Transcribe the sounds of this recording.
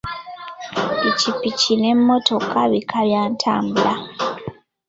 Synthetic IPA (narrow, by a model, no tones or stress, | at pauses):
ecipicine̞mːo̞to̞kʰaβikʰaβjaːntʰa̰ːmbula